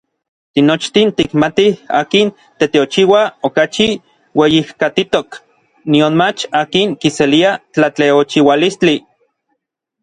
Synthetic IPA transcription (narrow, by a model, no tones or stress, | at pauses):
t̪inot͡ʃt̪int̪ikmat̪iha̰ːkin | t̪et̪eot͡ʃiwaokat͡ʃi | wejihkat̪it̪ok | nionmat͡ʃaːkiŋkiseliat͡ɬat͡ɬeot͡ʃiwalist͡ɬi